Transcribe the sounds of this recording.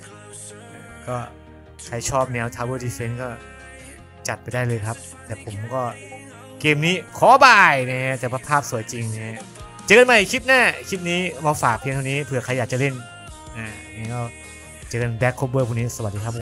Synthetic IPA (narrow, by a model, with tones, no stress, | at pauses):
a˧˩kɔː˥˩ | kʰa˧˩jt͡ɕʰɔː˥˩p̚nɛː˧˦˥wt̪ʰaː˧˥wɤː˧˩diː˧fe˧˦˥nkɔː˥˩ | t͡ɕa˨˩t̪̚pa˧jdaː˥˩jlɤː˧jkʰa˦˥p̚ | t̪ɛː˨˩pʰo˩˦mkɔː˥˩ | keː˧mniː˦˥kʰɔː˨˦baː˨˩jna˧kʰa˦˥ʔt̪ɛː˨˩ba˧˥pʰaː˥˩p̚su˨˩˦əjt͡ɕi˧ŋna˧˩kʰa˦˥ʔ | t͡ɕɤː˧nma˧˩jkʰi˦˥t̪̚naː˥˩kʰi˦˥t̪̚niː˦˥mɔ˧faː˨˩k̚pʰi˧ŋt̪ʰa˧niː˦˥pʰɯ˧˩ɐkʰa˧jaː˨˩k̚t͡ɕa˨le˥˩n | ʔaː˧˩ | na˧˩kɔː˧˥˩w | t͡ɕɤː˧nbɛː˦˥kʰːoː˦˧˥pbɤː˧˩pʰu˧˩niː˦˥sa˧w̪̚diː˧kʰa˦˥p